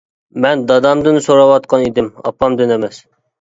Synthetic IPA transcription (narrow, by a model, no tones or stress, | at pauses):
mɛnd̪ɑd̪ɑmd̪ɨnsoɾɑwɑt̪̚qʰɑnid̪ɪmɑ̰pʰːɑmd̪ɪnɛmɛs